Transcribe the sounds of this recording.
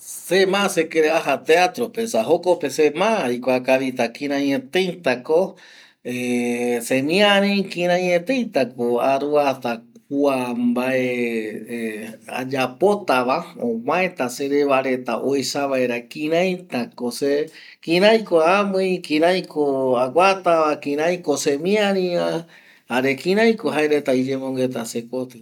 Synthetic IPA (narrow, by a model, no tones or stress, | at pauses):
semãsekeɾeaɦat̪eat̪ɾopesaɦokopesemãikʷakaβit̪akĩɾ̃ãɲẽt̪ejt̪ako | esemĩaɾĩkĩɾ̃ãɲet̪ejt̪akoaɾuatak̚uambae | a̰d͡ʒapot̪aʋaõãẽt̪ase̞ɾeβaɾe̞t̪aʔojsaβaeɾakĩɾãjt̪akose | kĩɾajkoamɨjkĩɾãjkʰoaɡʷat̪aʋakĩɾ̃ãjkosemĩãɾĩa | aɾekĩɾ̃ãjkoɦaeɾet̪aid͡ʒẽmõŋɡe̞t̪asekot̪ɨ